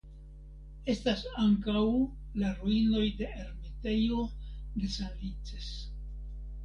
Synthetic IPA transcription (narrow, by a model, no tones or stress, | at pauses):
e̞stasaŋkaw | laɾuino̞jde̞ʔeɾmete̞jo̞de̞sanvit͡ses